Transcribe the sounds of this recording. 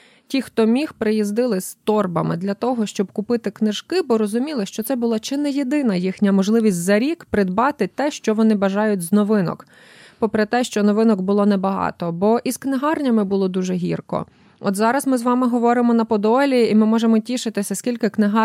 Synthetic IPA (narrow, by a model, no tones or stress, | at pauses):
tʲixt̪ɔmʲixpɾɪjizd̪ɪlˠɪst̪ɔrbɐmɪ̰d̪lʲɐt̪ɔɦɔʃt͡ʃɔb̚kʊpɪt̪ɪknɪʒ̥kɪbɔɾɔzʊmʲilˠɪʃt͡ʃɔt̪sɛbʊlˠɑt͡ʃɪnɛjed̪ɪnɐjixnʲɐmɔʒlˠɪʋʲisʲtʲzɐɾʲikpɾɪd̪bɑt̪ɪt̪ɛʃt͡ʃɔʋɔnɪbɐʒɑjʊtʲznɔʋɪnɔ̰k | pɔpɾet̪ɛʃt͡ʃɔnɔʋɪnɔkbʊlˠɔnɛbɐɦɑ̰t̪ɔbɔʔisknɪɦɑrnʲɐmɪbʊlˠɔd̪uʒɛɦʲḭrkɔ̰ | ɔ̰t̪zɑɾɐzmɪzʋɑmɪɦɔʋɔɾɪmɔnɐpɔd̪ɔlʲiimɪmɔʒemɔtʲiʃɪt̪ɪsʲɐsʲkʲilʲkɪknɪɦɑ